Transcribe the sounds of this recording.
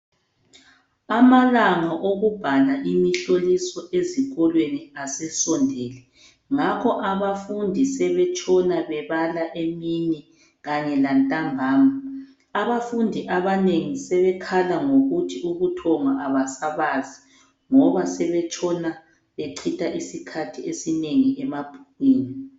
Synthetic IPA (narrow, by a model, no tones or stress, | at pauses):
amalaŋaʔoɣub̥ʱalaʔimiɬolisɔʔeziɣɔlweniasɛsɔndʱeːlɛ | ŋakʰɔʔaβafundʱisɛβɛt͡ʃʰʼɔnaβɛβalaʔemini | ɣaɲɛlantʼambʱaːmaː | βafundʱiʔaβaneŋisɛβɛkʰalaŋoɣutʰiuɣutʰɔŋaʔaβasaβazi | ŋɔβasɛβɛt͡ʃʰʼɔna | βeǀʰitʰʼaʔisikʰatʰiesineŋiʔɛmab̥ʱuɣwiːni